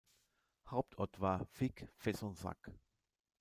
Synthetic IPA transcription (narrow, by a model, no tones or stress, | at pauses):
haʊp̚tʰɔɐtv̥aːfɪkfɛsɔnza̰k